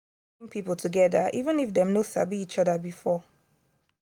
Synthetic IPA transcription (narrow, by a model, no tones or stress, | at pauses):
ŋpʰipl̩ˠtʰuɡɛðəʔivə̃nifdɛ̃mnosa̰biit͡ʃɔdəbifɔ